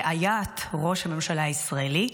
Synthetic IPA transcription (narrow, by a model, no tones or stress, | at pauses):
ʔajat̪ʁo̞ʃhame̞mʃalaisʁaeli